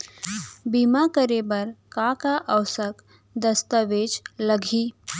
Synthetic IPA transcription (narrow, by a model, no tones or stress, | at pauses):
bimakəɾebəɾkakaʔəwsək | d̪əst̪əʋeːd͡ʒləɡʱi